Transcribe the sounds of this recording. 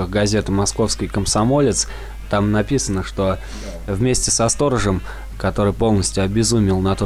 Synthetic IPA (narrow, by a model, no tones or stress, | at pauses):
ɨxɡɐzʲe̞t̪mɐsko̞fskəjkəmsɐmo̞lʲɪt̪s | t̪amnɐpʲisənəʂt̪o̞ | vmʲesʲtʲɪsɐst̪o̞ɾəʐəm | kɐt̪o̞ɾɨjpo̞lˠnəsʲtʲjʊɐbʲɪzumʲɪlˠnɐt̪o